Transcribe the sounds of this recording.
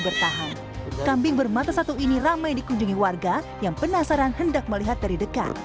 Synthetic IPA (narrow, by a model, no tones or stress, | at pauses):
bərt̪aɦan | kambɪŋbərmat̪asat̪uiniramajdikuɲd͡ʒuŋiwarɡa | jaŋpənasaɾanhəndak̚məliɦat̪̚daɾidəka̰t̪̚